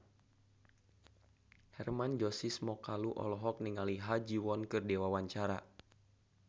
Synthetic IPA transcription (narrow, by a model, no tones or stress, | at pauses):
hɛrmand͡ʒɔsismɔkaluʔɔ̰lɔɦɔk̚niŋaliɦad͡ʒiwɔnkɨrdɛwawaɲt͡ʃaɾa̰